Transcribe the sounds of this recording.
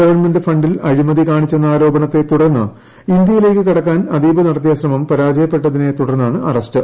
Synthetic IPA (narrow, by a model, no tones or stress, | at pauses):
ɐʋɐrnmendɨfɐɳɖilɐɻimɐðikaːɳit͡ɕːenːɐaːɾo̞ːbɐɳɐt̪ːe̞t̪uɽɐrnːɐ̰ | ind̪jɐjile̞ːkːɨkiɽɐkːaːnɐd̪iːbɐnɐɽɐt̪ːjɐɕrɐmɐmpɐɾaːd͡ʑɐjɐpːe̞ʈːɐðine̞t̪uɽɐrnːaːɳɨʔɐ̰rɐstɨ